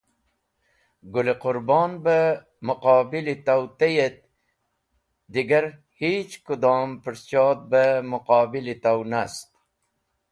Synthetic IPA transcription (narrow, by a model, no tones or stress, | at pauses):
ɡuliqʊɾbɑːnbə | mʊqɑːbilit̪awt̪ejet̪̚ | d̪iɡɐɾ | hiːt͡ʃkud̪ɑːmpəɾst͡ʃɑːt̪̚bəmʊqɑːbilit̪awnast̪̚